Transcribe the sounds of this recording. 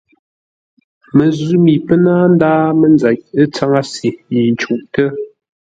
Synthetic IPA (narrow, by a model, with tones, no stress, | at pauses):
mə˨zʉ˦mi˨pə˦naː˦n̩˦daː˦mə˨nd͡za˨c̚ə˦t͡sa˦ŋa˦si˨ji˨n˨t͡ʃu˦˨ʔtə˦